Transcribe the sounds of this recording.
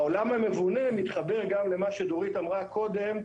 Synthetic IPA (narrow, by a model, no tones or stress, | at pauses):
olamhame̞vune̞mit̪χabe̞ʁɡamlemaʃed̪oʁit̪amʁakʰo̞d̪e̞m